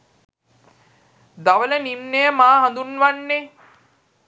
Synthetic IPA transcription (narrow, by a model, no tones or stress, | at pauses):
d̪aʋələnimnejəmaːɦãnd̪unʋanːe